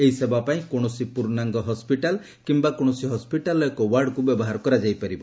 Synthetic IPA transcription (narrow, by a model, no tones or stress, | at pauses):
eɦisebapaĩkoɽ̃ɔsipuɾnaŋɡɔɦɔspiʈal | kimbakoɽ̃ɔsiɦɔspiʈalɔekɔwaɾɖkubjɔbɔɦaɾɔkɔɾad͡ʒajpaɾibɔ